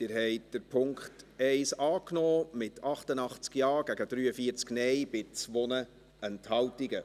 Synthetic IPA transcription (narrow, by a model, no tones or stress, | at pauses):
d̥ɪɾɦɛɪtd̥əɾpʰʊŋkχtɛɪsɑːknɔːmɪtʰɑχtənɑχt͡skjɑːɡ̥æɡəd̥ɾyːəfiːəɾt͡sknɛjb̥ɪt͡sʋɔnə | ɛnthɑltiɡə